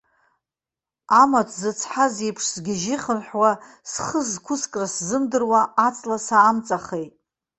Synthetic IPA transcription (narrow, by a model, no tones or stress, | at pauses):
amatʷʰzɨt͡sʰħazijpʰʂzɡʲɪʒɪχənħwa | sχəzkʷʰʊskʼraszɨmdɨrwaːt͡sʼlasaːmt͡sʼaχejtʼ